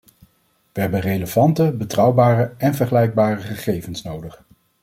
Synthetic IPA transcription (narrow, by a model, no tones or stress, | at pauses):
ʋəɦɛbənrejləvɑntəbətrɑwbaːrəɛnvəɹχəlɛjɡ̚baːrəχəχejvənsnowdəχ